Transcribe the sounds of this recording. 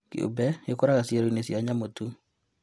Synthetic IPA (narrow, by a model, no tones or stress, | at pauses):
kḛo̰bɛekoɾaɣasjeɾoinesjaɲamotu